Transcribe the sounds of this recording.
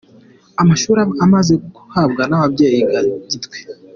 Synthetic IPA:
amaʃuːɾaamaze̞kuku̥habɡanaβabɟe̞ːjiɡaɟitwe̥

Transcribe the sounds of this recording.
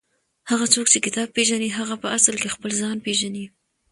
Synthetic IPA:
haɣat͡sokt͡ʃekɪt̪ɑb̚peʒaniɦaɣapəaslkexpəlzɑnpeʒani

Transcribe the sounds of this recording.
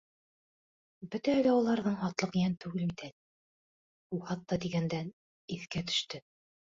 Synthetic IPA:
bɵt̪æɘlæulˠɑɾðɤɴhɑt̪lˠɤqjænt̪ʉɡɘlit̪æl | uhɑt̪ːɑd̪iɡænd̪æn | iθkæt̪ɵ̥̆ʃt̪ɘ

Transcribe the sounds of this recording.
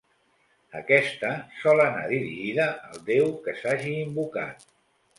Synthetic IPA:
əkɛst̪əsɔləna̰ðiɾiʒiðəəlˠd̪ewkəsaʒiːmbuka̰t̪̚

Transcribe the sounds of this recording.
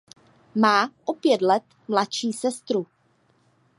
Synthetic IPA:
maːʔopjɛt̪lɛt̪ | mlatʃiːsɛst̪ɾu

